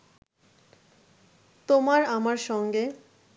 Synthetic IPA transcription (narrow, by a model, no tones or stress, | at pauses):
t̪omaɾamaɾʃɔŋɡe